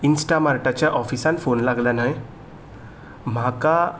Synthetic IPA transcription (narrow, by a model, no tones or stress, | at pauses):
insʈamaɾʈat͡ɕjaʔɔfisanfonlaɡljanaj | m̤aka